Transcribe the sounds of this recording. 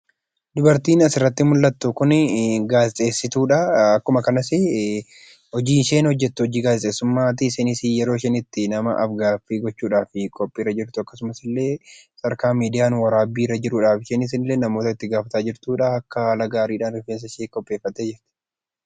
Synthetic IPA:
d̪ʊbɐɾt̪iːnɐsɪrːɐt̪ːɪmʊlːɐt̪ːʊkʊnɡaːsʼe̞ːsːɪt̪uːᶑɐɐkːʊmɐkɐnɐsɪ | hɔd͡ʒiːʃe̞ːnhɔd͡ʒːɛt̪ːʊɔd͡ʒiːɡaːsɪsʼeːsʊmːaːt̪̬ɪsɪnɪsijɛɾoːʃɐnɪt̪ːɪnɐmɐʔɐfɡaːfːiːɡɔt͡ʃːuːᶑaːfɪkʼɔpʼːiːɾɐd͡ʒɪɾt̪ʊɐkːɐsʊmɐsɪlːe̞ːsɐɾkaːmiːd̪ɪjaːnwɐɾaːbiːɾɐd͡ʒɪɾuːᶑaːfɪʃɛnɪs̬ɪnlːeːnɐmo̞ːt̪ɐɪt̪ːɪɡaːfɐt̪aːd͡ʒɪɾt̪uːᶑɐɐkːɐalɐɡaːɾiːᶑaːnɪfens̬ɐʃeːkʼːɔpʼːe̞ːfːɐt̪ːeːd͡ʒɪɾt̪ɪ̥

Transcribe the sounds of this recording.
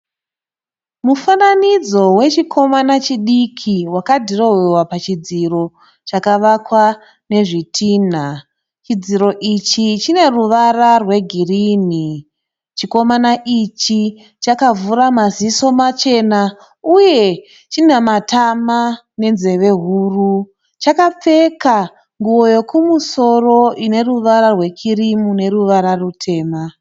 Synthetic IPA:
mufananid͡zo̞we̞t͡ʃikʰo̞manat͡ʃiɗikʰiwakadʱiro̞wewapat͡ʃid͡ziro̞ | t͡ʃakaʋakwa | ne̞ʐitʰiːn̤a | t͡ʃid͡ziɾo̞ʔit͡ʃit͡ʃine̞ruʋararwe̞ɡʱiriːni | t͡ʃiko̞manaʔit͡ʃi | t͡ʃakavuɾamaziso̞mat͡ʃe̞na | uje̞ | t͡ʃinamatʰama | ne̞nze̞ʋe̞ɦuːru | t͡ʃakap͡fe̞ka | ŋɡuo̞jo̞kumuso̞ro̞ine̞ruʋaɾarwe̞kʰirimune̞ɾuʋaɾarutʰe̞ːma

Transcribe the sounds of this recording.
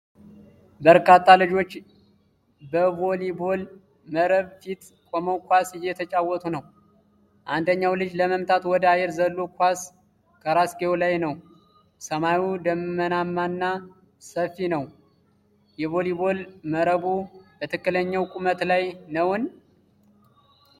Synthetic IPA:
bəɾkʰat̪ʼːalɨd͡ʒo̞t͡ʃː | bəvolibo̞l | məɾəβfit̪ | kʼoməwkʰʷasɪjːɛt̪ʰət͡ʃʼawːɔt̪ʼunəw | ʔand̪əɲːawlɨd͡ʒləməmt̪ʼʰat̪wɔd̪əajɛɾzəlːokʰʷas | kʰəɾasɡewlajnəw | səmajud̪əmːənamːanːa | səfːinəw | jɛβolibo̞lməɾəβubət̪ʰɨkːɨləɲːəwkʼumət̪lajnəwn

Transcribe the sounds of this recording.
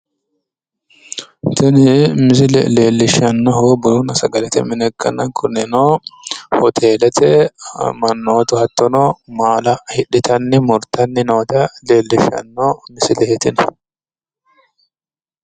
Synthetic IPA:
t̪ɪnɪmɪs̬ɪlɛ̰leːlːɪʃɐnːɔɦobʊlunɐsɐɡɐlɛt̪ɛmɪnɛkːɐ̰nɐkʰʊnɛnohɔt̪ʰe̞ːlɛt̪ɛ̰mɐnːoːt̪ʊhɐt̪ːɔnɔmaːlɐhɪᶑɪt̪ɐnːɪmʊɾt̪ːɐnːɪnoːt̪ɐle̞ːlːɪʃɐ̰nːɔmɪsɪlɛhɪt̪ɪn

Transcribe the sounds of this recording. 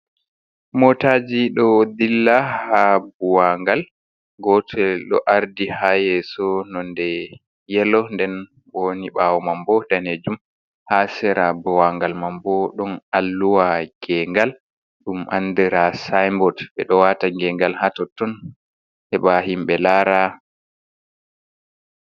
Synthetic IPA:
mɔtad͡ʒiɗɔd̪ilːahabuwaŋɡal | ɡɔtʰɛɗɔ̰ʔaɾdihajɛsɔnɔndɛ | jɛlɔndɛn | boniɓawɔmambɔdaned͡ʒum | hasɛɾabuwaŋɡalmambɔɗɔnalːuwaɡ̥ɛŋɡal | ɗumʔa̰ndɛɾasajmbɔdɓɛɗɔwataŋɡɛŋɡalhatɔtːɔn | hɛɓahimɓɛlaːɾa

